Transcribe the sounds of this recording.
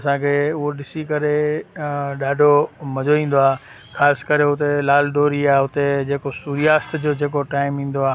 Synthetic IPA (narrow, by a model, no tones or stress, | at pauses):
ɐsãkʰeʊɦoɗɪsikɐɾe | ɗaːɖʱomɐd͡ʑoʋĩːn̆d̪oaː | xaːskɐɾeɦʊt̪elaːlɖoːɾiaːʊt̪ed͡ʑeːkosuːɾijaːst̪d͡ʑoːd͡ʑeːk̬oʈaːɪmĩːn̆d̪oaː